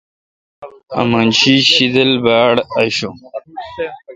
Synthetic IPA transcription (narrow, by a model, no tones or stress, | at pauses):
ɐ̰manɕiɕid̪ɐlbaːɽɐɕo